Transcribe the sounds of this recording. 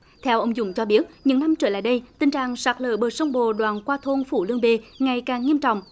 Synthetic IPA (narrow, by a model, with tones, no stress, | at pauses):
t̪ʰɛ˧wʔə˧wŋ͡mzʊ̰˧˩ŋ͡mt͡ɕɔ˧ɓi˦˥ət̚ɲɨ̰˧˥ŋna˧mt͡ɕəː˧˩la̰ː˧˨jɗə˧jt̪ï˧ŋ̟t͡ɕa̰ː˧˨ŋsaː˨˩k̚lə̰ː˧˩ɓəː˨˩sə˧wŋ͡mɓo˧˨ɗwaː˨˩nkwaː˧t̪ʰo˧nfu˧˩lɨ˧əŋɓe˧ŋa˨˩jkaː˨˩ŋːi˧əmt͡ɕɔ̰˧˨wŋ͡m